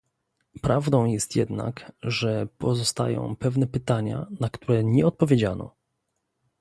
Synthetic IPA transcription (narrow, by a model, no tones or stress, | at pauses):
pɾavd̪ɔ̃w̃jɛst̪jɛ̰d̪na̰kʐɛpɔzɔst̪a̰jɔ̰̃w̃pɛvnɛpɘt̪aɲa̰nakt̪uɾɛɲɛɔt̪̚pɔvʲjed͡ʑanɔ̰